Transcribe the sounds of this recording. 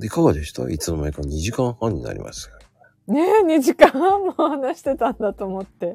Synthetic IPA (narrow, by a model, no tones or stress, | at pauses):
d̪ekoɡad̪esi̥t̪o̰ʔit͡sɨnomaikaɲiʑikãɰ̃hãɲ̟ːina̰ɾʲḭma̰sɨ̥ | neɲ̟iʑikããmmohanaɕi̥t̪e̞t̪ãnd̪at̪o̞ːmo̞t̪ːe̞